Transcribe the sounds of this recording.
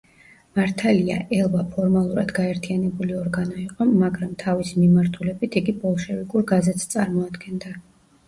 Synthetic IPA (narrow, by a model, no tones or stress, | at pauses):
maɾt̪ʰalia̰ʔɛlˠbapʰɔɾmalˠuɾad̪ɡaɛɾt̪ʰianɛbuliɔɾɡanɔiqʼɔmːaɡɾamt̪ʰavisimimaɾt̪ʰulɛbit̪ʰiɡibɔlˠʃɛvikʼuɾɡazɛt̪st̪sʼaɾmɔad̪ɡɛnd̪a